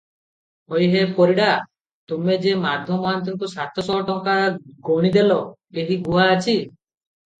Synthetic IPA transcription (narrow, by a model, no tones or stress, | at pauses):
ojɦepoɾiɽa | t̪umed͡ʒemaɾd̪ʱjɔmɔɦant̪̬iŋkusat̪ɔsɔɔʈɔŋkaɡoɽ̃id̪elɔ | eɦiɡuaːt͡ʃʰi